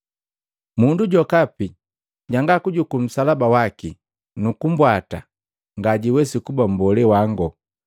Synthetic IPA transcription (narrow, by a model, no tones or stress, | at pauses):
munduɟɔkapi | ɟaŋɡakuɟukum̩salabawaki | nukumbwata̰ | ŋɡaɟiwɛsikubam̩bɔlɛwaŋɡɔ